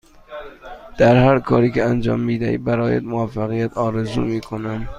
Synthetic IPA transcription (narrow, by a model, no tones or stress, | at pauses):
d̪̥æɾhæɾkʰɒːɾiːkeænd͡ʒɒ̰ːmːiːd̪æ̰hḭːbæɾɒːjæ̰d̪movæfːæɣijæt̪ʰɒːɾezṵːmiːkʰonæm